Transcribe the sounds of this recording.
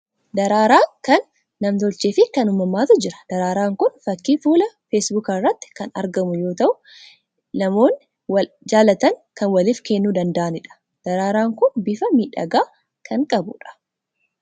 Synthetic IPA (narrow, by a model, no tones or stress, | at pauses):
d̪ɐɾaːɾaːŋkɐnː | ɐmt̪ɔlt͡ʃeːfɪkɐnʊmːɐmːaːt̪ʊd͡ʒɪɾɐ̥d̪̥ɐɾaːɾaːŋkʊnfɐkːiːfuːlɐfeːsbukɐrːɐt̪ːɪ̥kɐnɐ̰ɾɡɐmʊjo̞ːt̪ɐʔʊ | nɐmo̞ːnːɪ | wɐ | d͡ʒaːlɐt̪ɐŋkɐnwɐlɪːfkenːuːd̪ɐnd̪ɐʔɐnɪᶑɐ̥ | d̪̥ɐɾaːɾaːŋkʊnbɪfɐmiːᶑɐ̰ɡaː | kʰɐŋkʼɐbʊ̰ᶑɐ̥